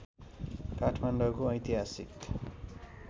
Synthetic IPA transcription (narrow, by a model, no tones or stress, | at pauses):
kaʈʰmanɖʌkoʌjt̪iɦasḭk